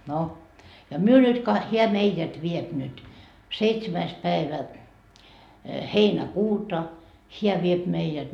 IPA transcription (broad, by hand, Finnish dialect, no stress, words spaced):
no jɑ myø nyt kɑ heæ meijæt ʋiep nyt seitsemæis pæeʋæ heinækuːtɑ heæ ʋiep meijæt